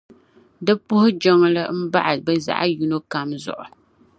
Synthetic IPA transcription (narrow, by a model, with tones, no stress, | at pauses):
dɨ˦pʊ˦hʊ˦d͡ʒɔ˦ŋ˦lɨ˦m̩˦ba̰˦ʔa˨bɛ˦za̰˨ʔa˦ju˦no˦ka˦mzʊ̰˨ʔʊ̰˨